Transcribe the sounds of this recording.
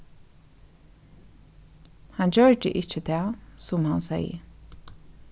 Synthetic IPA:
hand͡ʑœɹd̪əʔɪt͡ʃːət̪ʰæːsʊmhansɛ̰jə̰

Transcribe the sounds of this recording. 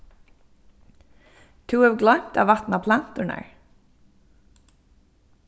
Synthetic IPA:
t̪ʰuːɑʋɡlœnt̪ʰɑːʋɑt̪n̩ɑːpʰlɑnt̪ʊɳæ̰ːɹ

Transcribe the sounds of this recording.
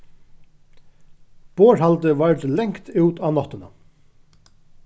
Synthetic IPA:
b̥oːɹhalt̪əʋaɹt̪lɛŋkt̪ʉːt̪aːnɔt̪ɪna

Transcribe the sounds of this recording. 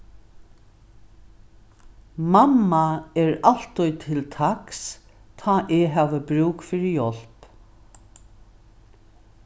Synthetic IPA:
mamːaɛɹal̥t̪ʊjt̪ʰɪlt̪ʰaks | t̪ʰaːʔɛɦaːʋəbɾuːkfɪɾɪjɔl̥p

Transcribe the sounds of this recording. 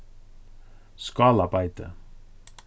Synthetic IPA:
skɑːlabajt̪ə̰

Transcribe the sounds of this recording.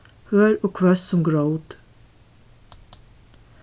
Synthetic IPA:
høːɹoːkʰʋœssɔmɡɹəʊd̪

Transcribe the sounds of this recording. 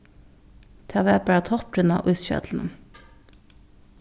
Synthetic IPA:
t̪ʰɑʋeːpəæːt̪ʰɔp̚ɾʉnɑ̰ːʔʉːsçœ̰ːd̪ln̩

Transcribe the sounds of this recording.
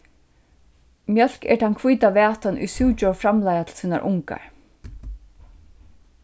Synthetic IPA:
mjœl̥kɛ̰ɹt̪ʰankʰvujt̪aʋɛːt̪anʔṵjsuwt͡ʃɔfɾamlajat̪ʰɪlsiːna̰ɾʔʊŋka̰ɹ

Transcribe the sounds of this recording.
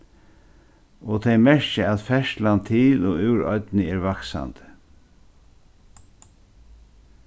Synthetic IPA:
ɔt̪ʰɛjmɛɹɕɪat̪fɛʃt̪lant̪ʰɪlɔʉwɾɔ̰t̪nɪɛɹvaksa̰nt̪ɪ̥

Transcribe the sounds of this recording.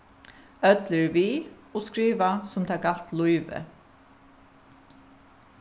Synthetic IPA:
œt̪ləɹviː | ɔskɾiːʋasʊmt̪ʰaːkal̥t̪lʊjʋə̰

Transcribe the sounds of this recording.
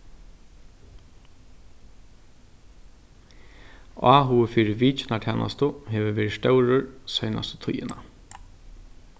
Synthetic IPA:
ɑːɦʊfiːɾɪʋiːt͡ʃɪnaʈʰɛːnʔa̰st̪ʊɦɛːʋəɾʋeːɾɪʂt̪œwɾʊɹsœːna̰st̪ə̥t̪ʰʊjɪ̰na̰

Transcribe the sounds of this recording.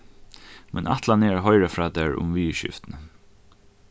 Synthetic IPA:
mɛnʔa̰ht̪lanɛːɹaɦɔɪɹafɾɑːd̪ɛːɹʊ̰mʋiːʃɪ̰ft̪nə

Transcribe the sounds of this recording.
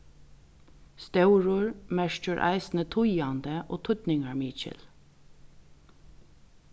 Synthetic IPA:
st̪œʊɹʊɹmæʃt͡ʃəɹʔæ̰ɪsn̩ət̪ʰʊjɑnd̪əʔo̰ːt̪ʰʊt̪nɪŋɑɹmiːt͡ʃə̰l

